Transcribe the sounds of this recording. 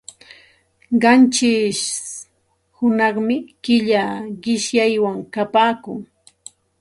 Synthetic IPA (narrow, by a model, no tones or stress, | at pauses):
ɢɑnt͡ʃɪʃ | hʊnɑχmɪkɪʎaɢɪʃjajwaŋkapaːkʊŋ